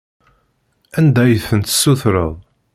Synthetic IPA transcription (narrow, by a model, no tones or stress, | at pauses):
ænd̪æjəθənt̪sːuθɾə̰ðˤ